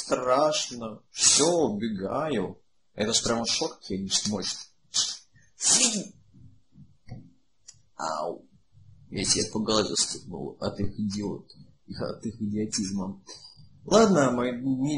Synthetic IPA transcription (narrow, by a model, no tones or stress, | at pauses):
st̪ɾaʂnəfsʲoʊbʲɪɡajʊ | ɛt̪əʐəpɾʲaməʂokɐ̥kjanʲɪsmot͡ɕt̪ | a̰ | jasʲɪapəɡɐlˠaɾʲḭst̪ɐ̰t̪ɨxɨdʲɪo̰t̪ | ixt̪ɨxɨdʲɪɐtʲizmə | lˠad̪nəmɨnʲɪ